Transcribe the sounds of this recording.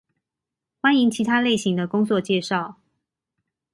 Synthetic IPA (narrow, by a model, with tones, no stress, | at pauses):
xwa˥ni˧˥ŋt͡ɕʰi˧˥t̪ʰa˥le˥˩ɪɕi˧˥ŋd̪ə˧kʊ˥ŋt͡swɔ˥˧t͡ɕjɛ˥˧ʂɑ˥˩ʊ